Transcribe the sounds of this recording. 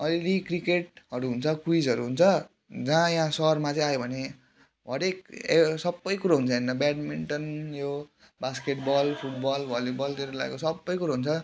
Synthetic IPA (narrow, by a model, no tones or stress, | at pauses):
ʌllikrikeʈʌɾuɦunt͡sʰʌkwid͡zʌɾuɦunt͡sʰʌ | d͡zãjãsʌrmat͡sʌĩajobʱʌne | ɦʌɾekesʌbːʌjkuɾaɦunt͡sʰʌennʌbaʈmiɳʈʌnjo | baskeʈbʌlpʰuʈ̚bʌlbʱʌljibʌlt̪eɾela̰ɡḛkosʌbːʌjkuɾaɦunt͡sʰʌ